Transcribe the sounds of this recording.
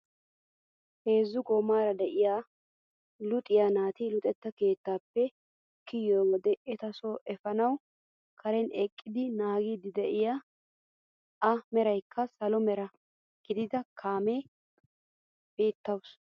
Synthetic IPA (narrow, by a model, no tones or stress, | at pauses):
he̞ːzːʊɡɔmaːɾɐd̪ɛʔɪjaː | lʊt̪ʼɪjaːnaːt̪ɪlʊt̪ʼɛt̪ːɐke̞ːt̪ːaːpːɛ | kɪjːoːwɔd̪ɛʔɛt̪ɐsoːʔɛfɐnɐw | kʰɐɾɛnɛkʼːɪd̪ɪnaːɡiːd̪ɪd̪ɛʔɪjaː | ɐmɛɾɐjkʰːɐsɐlɔmɛɾɐ | ɡ̥ɪd̪ɪd̪ɐkʰaːmeː | beːt̪ːɐws